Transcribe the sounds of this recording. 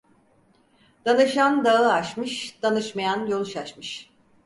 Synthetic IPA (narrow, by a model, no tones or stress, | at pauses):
d̪̥anɯʃand̪aɯaʃmɯʃd̪̥anɯʃmajanjolˠʃaʃmɯʃ